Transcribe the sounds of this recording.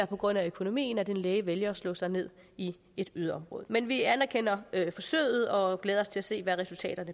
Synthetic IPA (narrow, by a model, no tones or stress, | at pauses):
æɐpʰɒ̽ɡ̥ʁɔ̽n̰æøkʰo̝no̝mḭːn̩æd̥e̝nleːəʋeljɐɒ̽slɔ̰sɑ̈ɪne̝ð̞̰ˠ | i | e̝d̥yðˠɐɒ̽mʁɔ̽ːð̞ˠmenʋiænɐkʰen̰ɐøfɒ̽sø̰ːɪð̞̩ˠɒ̽ɡ̥leːð̞ˠɐɒ̽st͡sʰe̝læse̝̰ːʋæʁɛsult͡sʰɛ̰ːd̥ɐnə